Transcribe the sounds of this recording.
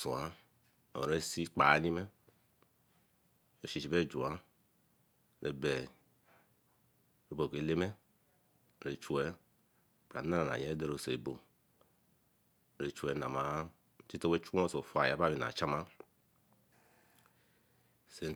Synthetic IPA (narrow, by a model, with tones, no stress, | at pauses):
so˨a̰˦˨ | o˨ɾe˦si˦k͡pa˨˦ni˦mɛ˦˨ | o˨ʃi˨t͡ʃi˨be˦˨d͡ʒu˨a˨˦ | ɾe˨bɛ˨ | ɾe˨bo˨ke˨le˦mɛ˦˨ | ɾe˨t͡ʃu˨ɛ˦˨ | bɾa̰˨˦a˦ɾa˨n˨a̰˨ɲe˨˦do˦ɾo˨se˨bo˨ | ɾe˨t͡ʃu˨ɛ˨˦na˨ma˨˦ | ti˦to˦we˦t͡ʃu˦o˦˨so˨fa˨ja˨˦ba˦bi˨na̰˨t͡ʃa˦ma˦ | se˨